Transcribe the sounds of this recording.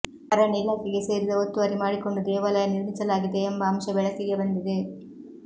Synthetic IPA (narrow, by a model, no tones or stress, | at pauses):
ɐɾɐniːlaːkɛɡe̞se̞ːɾid̪ɐot̪ːuʋɐɾimaːɽiko̞ɳɖud̪ɛːʋɐlɐjɐniɾmisɐlaːɡid̪e̞ːmbɐɐmʃɐbɛɭɐsiɡe̞bɐnd̪id̪e̞